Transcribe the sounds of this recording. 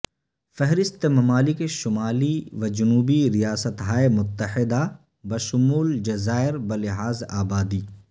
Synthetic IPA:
fɛɦɾɪst̪emɐmaːlɪkeʃʊmaːliʋɐd͡ʒʊnuːbiɾijaːsət̪ɦaːemʊt̪ːəhɪd̪a | bɐʃʊmuːld͡ʒɐzaːɪɾbɐlɪɦaːzaːbaːd̪iː

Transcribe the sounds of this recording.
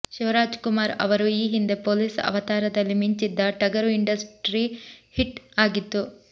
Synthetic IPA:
ʃiʋɾaːd͡ʒkumaːɾɐ̰ʋɐɾuiːɦind̪e̞poːliːsɐ̰ʋɐt̪aːɾɐd̪ɐlːimiɲt͡ʃid̪ːɐʈɐɡɐɾuiɳɖɐsʈɾihiʈaːɡit̪ːu

